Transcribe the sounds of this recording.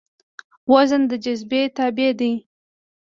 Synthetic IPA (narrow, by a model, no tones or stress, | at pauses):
wazənd̪əd͡ʒazbet̪ɑbed̪i